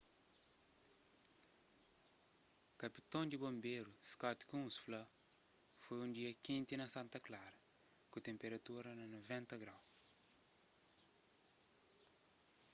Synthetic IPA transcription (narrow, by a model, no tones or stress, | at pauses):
kɐpit̪õnd̪ibõmbeɾuskat̪kũsflɐ | fojũnd̪iɐkĩnt̪inɐsãnt̪ɐklaɾɐ | kut̪ẽmpeɾɐt̪uɾɐnɐnovɛ̃nt̪ɐɡɾaw